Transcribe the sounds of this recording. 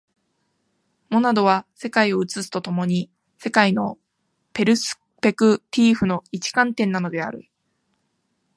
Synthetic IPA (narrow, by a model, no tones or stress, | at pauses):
mo̞nad̪o̞βase̞kaio̞ɯ̟t͡sɨsɨ̥t̪o̞t̪o̞mo̞ɲ̟i | se̞kaino̞ | pe̞ɾɯ̟sɨ̥ | pe̞kɯ̟t̪ʲiːɸɯ̟no̞it͡ɕi̥kãnt̪ẽ̞nːano̞d̪e̞a̰ɾɯ̟̰